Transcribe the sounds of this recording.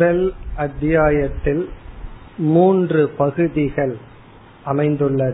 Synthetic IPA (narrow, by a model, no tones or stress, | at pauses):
ðɐlɐt̪ːɪjaːjɐt̪ːɪl | muːndrɯpɐɣɯðɪɣɐɭ | ʔɐmɐɪnd̪ɯɭːɐð